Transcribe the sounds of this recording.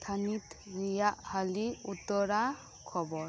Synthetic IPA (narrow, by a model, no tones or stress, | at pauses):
t̪ʰanit̪ɾijaʔhaliut̪ɔɾa | kʰɔbɔ